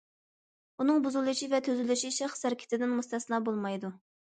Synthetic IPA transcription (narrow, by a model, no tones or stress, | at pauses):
unɨŋbuzulˠɨʃivɛt̪ʰøzylyʃiʃæχsæɾkʲʰɪ̥t̪ʰɪd̪ɪnmust̪ʰɛslˠɑːbolˠmɑjd̪u